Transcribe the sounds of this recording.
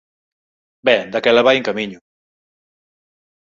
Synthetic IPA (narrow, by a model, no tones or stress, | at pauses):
bɛd̪əkɛləβajŋkamiɲu